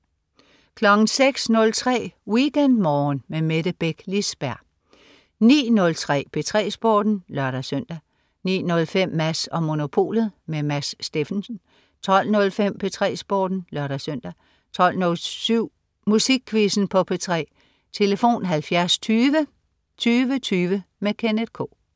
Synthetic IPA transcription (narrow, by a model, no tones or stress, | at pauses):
kʰlɒ̽ɡ̥n̩seɡ̥snɔ̽lt͡sʰʁɛ̰ːwiɡ̥end̥mɒːnmemeɾ̥əb̥eɡ̥lisb̥æɐ̰ | nḭːnɔ̽lt͡sʰʁɛ̰ːpʰe̝t͡sʰʁɛ̰ːsb̥oːd̥n̩lɶɐɾɐsøn̰d̥æ | nḭːnɔ̽lfem̰ːæsɒ̽mo̝no̝pʰo̝̰ːlð̩ˠmemæsːd̥e̝fn̩sn̩ | t͡sʰɒ̽l̰nɔ̽lfem̰pʰe̝t͡sʰʁɛ̰ːsb̥oːd̥n̩lɶɐɾ̥ɐsøn̰d̥æ | t͡sʰɒ̽l̰nɔ̽lsyʊ̰ | musiɡ̥̚kʰʋisn̩pʰɒ̽pʰe̝t͡sʰʁɛ̰ː | t͡sʰe̝ləfo̝̰ːnɦælfjæɐst͡sʰyːʋə | t͡sʰyːʋət͡sʰyːʋəmekʰened̥ˠkʰo̰ː